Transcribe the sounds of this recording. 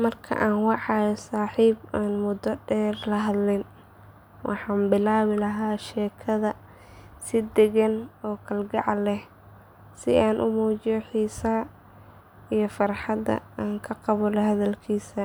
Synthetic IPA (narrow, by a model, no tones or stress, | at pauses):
mɐrkʰɐ̰ʔaːnwɑʕɑjɔsaːħiːbaːnmʊd̪ɔɖɛːrlɐɦɐd̪lɪn | wʔɑ̰ħɑːmbɪlaːβɪlɐɦaːʃɛːkʰɐðɐ | sɪd̪ɛɣɐnɔːkʰɐlɡɑʕlɛh | sɪaːnʔʊmuːt͡ʃɪjɔħiːsɐ | ijɞfɑrħɑd̪ɐ̰aːŋkʰɐqɑβɔlɛɦɐðɐlkʰiːsɐ